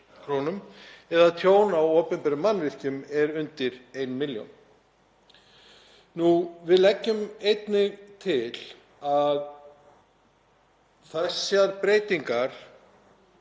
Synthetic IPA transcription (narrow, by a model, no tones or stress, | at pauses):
kʰɾownʏmɛðaðt̪ʰjoːwnawoːpʏmpɛɾʏmːanːvɪr̥cʏmɛɾʏnt̪ɪɾejnmɪljo̰wn | nuvɪðlɛcːʏmejt̪nɪɣt̪ʰɪl̥ | að | θɛsːaɾpɾeːjt̪iŋkaɾ̥